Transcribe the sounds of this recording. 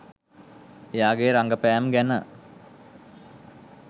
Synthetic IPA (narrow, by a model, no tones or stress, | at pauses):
ejaːɡeɾaŋɡəpæːmɡænə